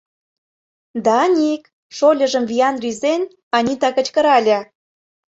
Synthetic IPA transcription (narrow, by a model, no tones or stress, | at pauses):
d̪ɑːnʲik | ʃolʲə̆ʒə̆mviɑnrʲyzen | ɑnʲit̪ɑkə̆t͡ɕkə̆ɾɑlʲɑ